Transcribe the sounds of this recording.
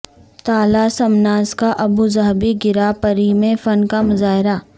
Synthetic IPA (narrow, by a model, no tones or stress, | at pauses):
t̪aːlasɐmnaːzkaʔɐbuzɐɦbiɡɪɾapɐɾimẽfɐnkamʊzaːɦɪɾa